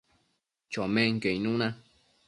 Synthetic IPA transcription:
t͡ʃomẽŋkejnũna

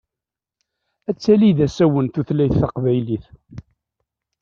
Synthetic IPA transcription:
æt͡sːæliðæsæwənt̪uθlæjθːɑqvæjliθ

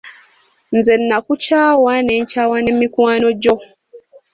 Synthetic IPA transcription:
nzenːakut͡ʃaːwaneːɲcaːwanemikwaːnoɟo

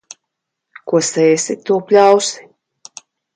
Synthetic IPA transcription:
kuɔsɛːsit̪uɔpʲlʲawsi̥

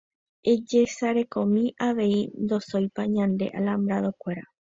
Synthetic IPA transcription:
e̞d͡ʒe̞saɾe̞kõ̞mĩʔaʋe̞ind̪o̞so̞jpaɲãnd̪e̞̰ʔalambɾaðokʷe̞ɾa

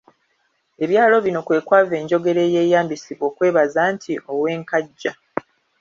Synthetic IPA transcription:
e̞βjaːlo̞βino̞kwe̞ːkwaːve̞ːɲɟo̞ɡe̞ɾe̞je̞ːjaːmbisiβo̞ːkwe̞ːβazaːntʰiʔo̞we̞ːŋkaɟːa

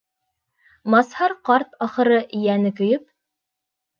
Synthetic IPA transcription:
mɑshɑɾqɑɾt̪ɑχɤ̆ɾɤʔijænɘkɵ̆jɵp̚

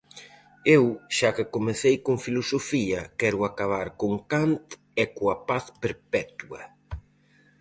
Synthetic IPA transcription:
ewʃakɪkomeθejkoŋfilosofiɐkɛɾʊakaβ̞aɾkoŋkant̪ | ɛkoɐpaθpeɾpɛt̪uɐ

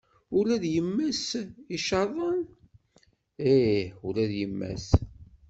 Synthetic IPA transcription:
ʊɾæðjəmːæsiʃɑðˤən | eʊɾæðjəmːæ̰s

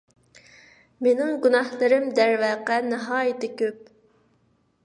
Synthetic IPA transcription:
menɪŋɡunɑhlˠɨɾɪmd̪æɾvɛːqɛnɨɦɑːjɪt̪ɪkʲʰøp̚

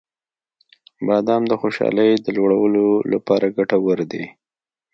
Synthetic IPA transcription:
bɑd̪ɑmd̪əxoʃɑ̰ləjd̪əlwəɽawəlolapɑɾaɡaʈawəɾd̪e

